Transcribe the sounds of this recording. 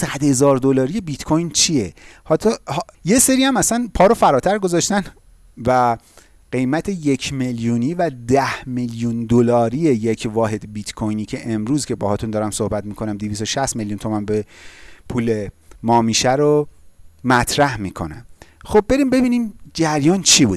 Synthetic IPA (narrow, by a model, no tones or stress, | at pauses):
sæd̪he̞zɒːɾd̪olɒːɾije̞bit̪kʰojnt͡ʃʰije̞hɒt̪ʰɒhje̞se̞ɾiːæmæsænpʰɒːɾofæɾɒːt̪ʰæɾɡo̞zɒʃt̪æn | væ | ɢe̞jmæt̪ʰe̞je̞cʰme̞ljuniːvæd̪æhmeljund̪olɒːɾijejecʰvɒːɦe̞d̪bit̪kʰojniːcʰe̞ʔemɾuːzcʰe̞bɒːhɒːt̪und̪ɒːɾæmso̞hbæt̪miːkʰo̞næmd̪ivist̪o̞ʃæst̪meljuːnt̪ʰo̞mænbepʰuːle̞mɒːmiːʃæɾo | mæt̪ʰɾæhmiːkʰo̞̰næ̰mxo̞b̚bːe̞ɾimbe̞biːniːmd͡ʒæɾjɒːnt͡ʃʰibuːd̥̪̚